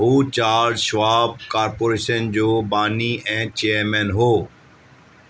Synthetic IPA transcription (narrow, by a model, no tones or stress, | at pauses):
ɦuːt͡ɕaːɾʃʋaːb̚kaːɾpoːɾeːʃənd͡ʑoːbaːniːʔɛ̃ːt͡ɕeːəɾmɛ̃ːnɦoː